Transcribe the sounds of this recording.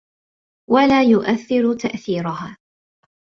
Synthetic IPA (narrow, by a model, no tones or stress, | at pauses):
walaːjʊʔaθːɪɾʊt̪aʔθiːɾʊɦaː